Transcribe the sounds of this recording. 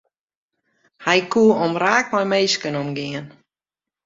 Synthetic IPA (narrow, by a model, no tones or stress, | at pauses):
hajkuəɔmɾaːk̚mɔjmeːskənɔmɡɪən